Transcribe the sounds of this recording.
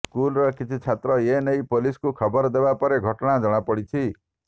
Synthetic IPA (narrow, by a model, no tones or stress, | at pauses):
skulɾɔkit͡ʃʰit͡ʃʰat̪ɾɔjenʌjpoliskukʰɔbɔɾd̪ebapɔɾeɡʱɔʈɔɽ̃ad͡ʒɔɽ̃apɔɽit͡ʃʰi